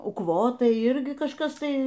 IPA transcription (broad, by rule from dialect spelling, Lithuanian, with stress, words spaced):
ʊkˈʋoːtɐɪ ˈɪrʲɡʲɪ kɐʃˈkɐs ˈtɐɪ